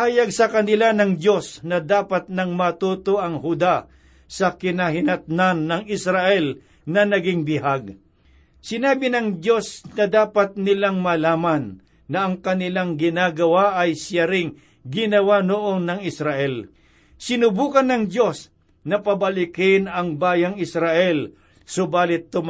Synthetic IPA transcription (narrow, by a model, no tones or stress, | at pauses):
haːjaɡsɐkɐnɪlanɐŋd̪jo̞snɐd̪aːpat̪̚nɐŋmɐt̪uːt̪oʔɐŋhʊd̪a | sɐkɪnaɦɪnɐt̪̚nanːɐŋɪsɾaʔɛl | nɐnɐɡɪŋbɪɦaɡ̚ | sɪnaːbɪnɐŋdjo̞snɐd̪aːpat̪̚nɪlaŋmɐlaːmɐnː | ɐʔɐŋkɐnɪlaŋɡɪnaːɡɐwaʔɐjsaɾɪŋ | ɡɪnɐwanʊʔonːɐŋɪsɾaʔɛl | sɪnʊbuːkɐnːɐŋd̪jo̞s | nɐpɐbɐlɪkɪnɐŋbaːjɐŋɪsɾaʔɛl | sʊbaːlɪt̪ːʊm